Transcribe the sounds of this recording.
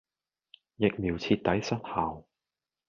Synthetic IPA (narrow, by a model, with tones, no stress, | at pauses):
jɪ˨k̚miː˨˩wt͡sʰiː˧t̚t̪ːɐ˨˥jsɐ˥t̚haː˨w